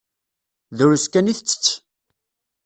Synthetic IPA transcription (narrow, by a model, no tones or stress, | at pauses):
ðʊɾuskæniθt͡sːə̥t͡sː